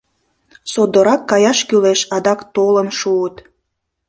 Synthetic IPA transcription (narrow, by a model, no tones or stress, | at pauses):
sod̪oɾɑkːɑjɑʃkyleʃɑd̪ɑkt̪olənʃuət̪